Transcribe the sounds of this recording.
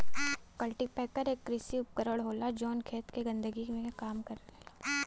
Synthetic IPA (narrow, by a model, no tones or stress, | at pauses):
kɐlʈipɛːkəɾeːkːɾɪsiʊp̚kəɾəɽɦoːlad͡ʒɔːnkʰeːt̪keɡɐ̃nd̪əɡimẽkaːmkɐɾlaː